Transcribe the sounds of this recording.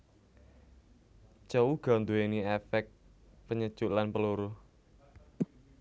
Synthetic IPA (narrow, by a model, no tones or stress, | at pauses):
t͡ʃauɡ̥ɔ̤nd̪ueniefɛk̪̚ | pəɲəd̥ʒ̥ʊʔlanpəluɾʊh